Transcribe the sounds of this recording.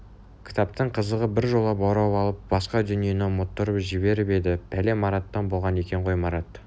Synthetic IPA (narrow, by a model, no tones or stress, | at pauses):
kʲʰɪ̥t̪ɑp̚t̪əɴqʰəzəʁəbɪɾʒo̞lˠɑpɑwɾɑwɑlˠəp̚bɑsqɑd̪ʏnije̞nemot̪ːəɾəpʒɪβe̞ɾbe̞d̪ɪbʰæle̞mɑɾɑt̪ːɑnbo̞lˠʁɑne̞kʲe̞ɴqʰo̞jmɑɾɑt̪